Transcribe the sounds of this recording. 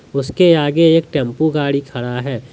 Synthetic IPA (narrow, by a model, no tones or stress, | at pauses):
ʊskeaːɡeeːkʈɛ̃ːmpuɡaːɽikʰɐɽaɦɛː